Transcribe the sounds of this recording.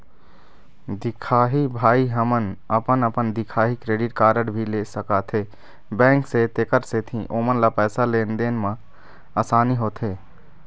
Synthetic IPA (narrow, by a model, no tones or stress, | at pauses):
d̪ikʰaːɦibʱaːiɦəmənəpənəpənd̪ikʰaːɦikɾeːɖiʈkaːɾəɽbʱilesəkat̪ʰɦe | bɛ̃ːŋkset̪ekəɾset̪ʰĩʔomənlapɛːsalend̪enmã | asaːniɦoːt̪ʰɦe